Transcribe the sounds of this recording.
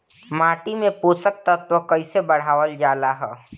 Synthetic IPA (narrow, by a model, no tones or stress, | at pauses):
maːʈimẽpoːsək̚t̪ət̪ʋəkɐɪsebəɽ̤aːʋəld͡ʒaːlaɦɛː